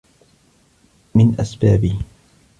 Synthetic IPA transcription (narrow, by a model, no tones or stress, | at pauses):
mɪnʔasbaːbɪh